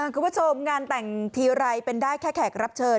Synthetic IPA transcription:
ʔa˧˩kʰuː˧˦pʰu˥˩t͡ɕʰo˧mŋaː˧nt̪ɛ˨˩ŋt̪ʰiː˧wɾa˧jpe˧ndaː˥˩jkʰɛː˥˩kʰɛ˨˩k̚ɾa˦˥p̚t͡ɕʰɤː˧n

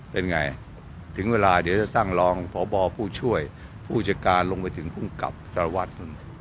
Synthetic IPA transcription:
pe˧nŋa˧j | t̪ʰɯ˩˦ŋweː˧laː˧di˩˦ət͡ɕa˨˩t̪a˥˩ŋlɔː˧ŋpʰɔː˩˦bɔː˧pʰuː˥˩t͡ɕʰu˥˩əj | pʰuː˥˩t͡ɕaː˧˩kaː˧nlo˧ŋpa˧jt̪ʰɯ˩˦ŋpʰu˥˩mka̰˨˩p̚sa˧ɾa˧wa˦˥˩t̪̚nu˥˩n

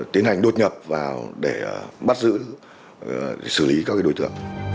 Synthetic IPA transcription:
t̪i˨˦ənha˨˩jŋ̟ɗo˦t̚ɲə˨˩p̚vaː˨˩wɗe˧˩ɓa˦˥t̚zɨ̰˧˥ | sɨ˧˩li˨˦kaː˧˦kaː˨˦ɗo˨˧˦jt̪ɨ̰˧˨əŋ

